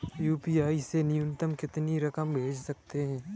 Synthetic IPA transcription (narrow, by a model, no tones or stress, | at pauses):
juːpiːaːisenɪjʊ̃nt̪əmkɪt̪niɾɐkəmbʱeːt͡ʃsɐk̚t̪eɦɛ̃ː